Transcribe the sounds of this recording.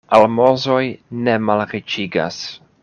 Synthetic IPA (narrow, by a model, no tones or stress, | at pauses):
almo̞zojnemalɾit͡ʃiɡa̰s